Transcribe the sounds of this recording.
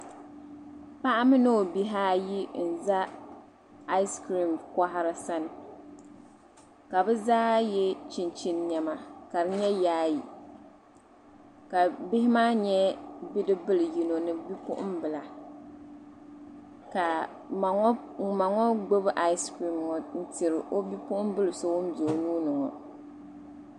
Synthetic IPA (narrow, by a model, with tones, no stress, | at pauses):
pa˦ʔa˦mɨ˦no˦o˨bi˦ɦaː˦ji˦n̩˨za˦ | a˦ɪ˦skɾi˨mka˦ɦa˦ɾɨ˨sa˦nɨ˨ | ka˨bɛ˦zaː˦jɛ˦t͡ʃi˦nt͡ʃi˦nɲɛ˨ma˨ka˨ɾɨ˦ɲɛ˦jaː˦ji˨ | ka˨bɪ˦hɪ˦maː˦ɲɛ˦bi˦dɨ˦bɨ˦lɨ˨ji˨no˨nɨ˦bi˦pʊ̰˦ʔʊ̰˦mbɨ˨la˨ | ka˨˦ | ma˨ŋɔ˦ɡ͡bo˦bʔa˦jskɾi˨mŋɔ˨n̩˦tɪ˨ɾɨ˨ʔo˦bi˦pʊ˦ʔʊ˦mbɨ˦lɨ˨so˦wʊ˦n˦doː˨nuː˦nɨ˨ŋɔ̰˨